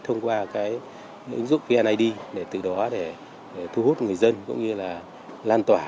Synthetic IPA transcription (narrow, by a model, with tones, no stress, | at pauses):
t̪ʰə˧wŋ͡mkwaː˧kaː˨˦j | ʔɨ̰˨˦ŋzʊ̰˧˨ŋ͡mfi˧ʔaː˧nʔa˧jɗi˧ɗe˧˩t̪ɨ˨˩ɗɔ˨˦ɗe˧˩ | e˧˩t̪ʰu˧hu˦˥t̚ŋɨ˨˩əjzə˧nkʊ̰˧˥ŋ͡mɲɨ˧laː˨˩ | laː˧nt̪waː˧˩